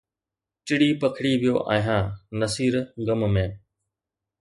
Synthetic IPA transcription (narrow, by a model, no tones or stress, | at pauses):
t͡ʃɪɽiːpəkʰɪɽiʋijoːʔa̰ːɦãːnəsiːɾɡəmmẽː